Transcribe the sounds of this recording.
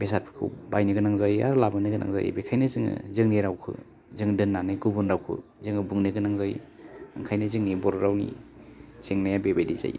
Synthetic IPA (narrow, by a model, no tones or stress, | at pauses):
besaɾpʰi̥kʰɯ̰wbajniɡɯnaŋzaja̰ɾlabɯnɯɡɯnʔa̰ŋza̰j̰bekʰajnɯzɯŋɯ̰zɯŋniɾawkʰɯ̰ | zɯŋdɯnːanɯjɡubunɾawkʰɯ̰ | zɯŋɯbɯŋnɯɡɯnaŋzaj | a̰ŋkʰajnɯzɯŋnibɔɾɾawnḭ | z̥eŋnajabebediza̰j